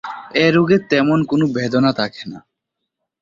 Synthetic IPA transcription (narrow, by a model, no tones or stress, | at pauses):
eɾoɡet̪ɛmonkonobed̪onat̪ʰake̥na̰